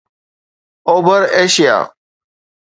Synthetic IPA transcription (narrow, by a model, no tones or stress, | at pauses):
oːbʱəɾeːʃɪja̰ː